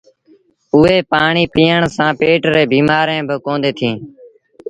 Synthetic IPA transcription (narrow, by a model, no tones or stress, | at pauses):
ʊɦeːpaːɳiːpiːəɳsãːpeːʈɾeːbiːmaːɾẽːbəkõːnd̪eːt̪ʰĩː